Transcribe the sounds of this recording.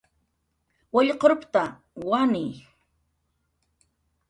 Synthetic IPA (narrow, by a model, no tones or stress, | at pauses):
waʎqoɾʊpt̪a | wanɪ